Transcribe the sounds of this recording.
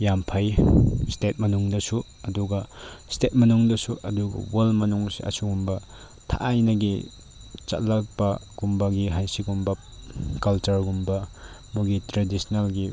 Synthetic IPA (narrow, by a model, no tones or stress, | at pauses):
jampʰɐjstet̚mɐnuŋdɐsu | ɐduɡɐstet̚mɐnuŋdɐsuʔɐduɡɐ̰wolmɐnuŋsḭɐ̰suɡumbɐ | tʰa̰ʔajnɐɡi | t͡ʃɐ̰tlɐk̚bɐɡ̥umbɐɡiɦajsiɡumbɐ | kɐlt͡ʃɐɾɡumbɐ | muɡitɾedisnalɡi